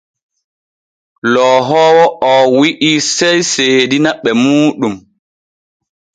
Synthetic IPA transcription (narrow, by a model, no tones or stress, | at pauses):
lɔːɦɔːwɔʔɔwiʔiːsɛjseːdinaɓɛmuːɗum